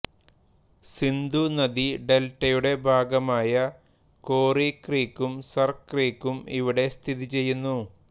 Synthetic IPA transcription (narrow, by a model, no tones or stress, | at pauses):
sind̪unɐd̪iɖe̞lʈːɐjuɽe̞bʱaːɡɐmaːjɐ | koːrikriːkːumsɐrkriːkːumiʋiɽe̞st̪ʰiðit͡ɕe̞jːunːu